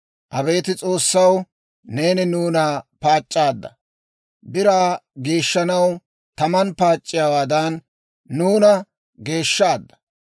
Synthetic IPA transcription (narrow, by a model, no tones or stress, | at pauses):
ʔɐbe̞ːt̪ɪt͡sʼo̞ːsːɐw | ne̞ːnɪnuːnaːpaːt͡ʃʼːaːd̪ːɐ | bɪɾaːɡe̞ːʃːɐnɐw | t̪ɐmɐnpaːt͡ʃʼːɪjaːwaːd̪ɐnː | uːnɐ | ɡe̞ːʃːaːd̪ːɐ̥